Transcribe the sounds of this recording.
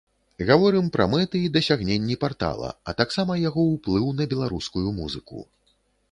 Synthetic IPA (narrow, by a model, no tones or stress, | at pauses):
ɣavɔɾɨmpɾɐ̰mɛt̪ɨid̪ɐsʲaɣnʲenʲːipart̪a̰lˠɐ̰ɐ̰t̪aksamɐjaɣɔwplˠɨwnɐbʲɛlˠaɾuskujumuzɨkṵ